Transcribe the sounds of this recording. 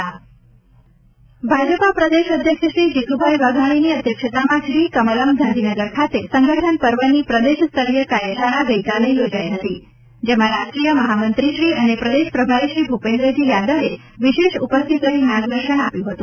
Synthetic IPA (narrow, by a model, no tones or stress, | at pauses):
bʱad͡ʒəpapɾəd̪eʃəd̪ʱjəkʃəʃɾid͡ʒik̪ubʱajʋaɡʱaɽ̃iniəd̪ʱjəkʂət̪amãʃɾikəmələmd̪ʱãnd̪ʱinəɡəɾkʰat̪esəŋɡəʈʰənpəɾʋənipɾəd̪eʃst̪ʰəɾijəkajəʃaɽaɡəikaleijod͡ʒaiɦət̪i | d͡ʒemãɾaʃʈɾijəməɦamənt̪ɾiʃɾiʔənepɾəd̪eʃpɾəbʱaɾiʃɾibʱupẽnd̪ɾəd͡ʒijad̪əʋe | ʋiʃeʃupəst̪ʰit̪ləɦinãɡd̪əɾʃəɳapjũɦət̪ũ